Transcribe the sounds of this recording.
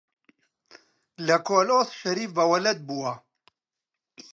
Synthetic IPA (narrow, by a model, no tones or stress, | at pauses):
lɐkoːloːsʃɐɾiːfvɐwɐlɐd̪̚buːwɐ